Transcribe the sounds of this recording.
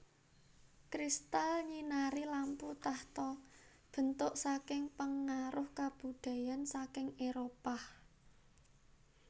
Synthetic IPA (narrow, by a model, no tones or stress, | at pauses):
kɾist̪alɲinaɾilamput̪aht̪ɔ | b̥ə̤nt̪ʊʔsakɪŋpəŋːaɾʊhkab̥ṳd̪̥ä̤jansakɪŋeɾopah